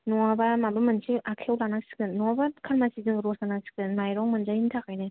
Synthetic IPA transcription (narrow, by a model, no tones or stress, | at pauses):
nɔŋabamambɯmɯnsiakʰewlanak̚si̥kɯnːɔabakʰaɾmasidɯŋɡɯɾɔsanasi̥kɯnmajɾɔŋmɯnd͡ʒaintʰakajnɯ